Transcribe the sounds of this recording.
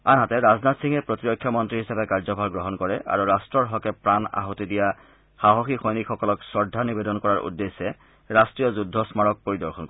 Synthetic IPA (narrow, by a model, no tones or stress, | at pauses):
anɦatɛɹaznatsiŋɛpɹotiɹɔkʰːjɔmɔntɹiɦisapɛkaɹzɔbʱaɹɡɹɔɦɔnkɔɹɛʔa̰ɹuɹastɹɔɹɦɔkɛpɹana̰ɦɔtidija | xaɦɔxixojnikʰxɔkɔlɔksɹɔɹdʱːanibedɔnkɔɹaɹʔṵdːesɛ | ɹastɹijɔzudʱːɔsmaɹɔk̚poɹidɔɹxɔnkɔ